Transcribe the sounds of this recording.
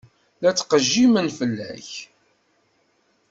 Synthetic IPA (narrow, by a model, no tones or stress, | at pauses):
læt͡sːqəʒːimənfəlːæ̰ç